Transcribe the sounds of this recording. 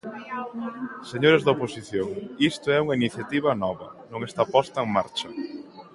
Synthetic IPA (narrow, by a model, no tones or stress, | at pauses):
seɲoɾezðɐoposiθjoŋist̪ʊɛuŋɐiniθjat̪iβɐnɔβɐ̰nõŋest̪apɔst̪ɐeŋmaɾt͡ʃɐ